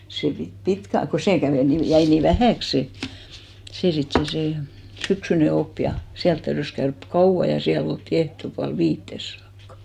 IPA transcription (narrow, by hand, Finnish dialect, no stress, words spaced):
se pit pitkæ ko seˑ kæʋeˑ ni jæi ni ʋæhæˑks se seˑ sit se se syksyne op jɑ siælt tæyrys kæørk kɑuw̆ɑ jɑ siæl oltːi ehtopuɑl ʋiːtːes sɑːkːɑ̥